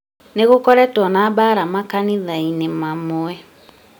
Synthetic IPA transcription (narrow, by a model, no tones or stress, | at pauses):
neɣokɔɾɛtɔnaːbaɾamakaniðainemamoɛ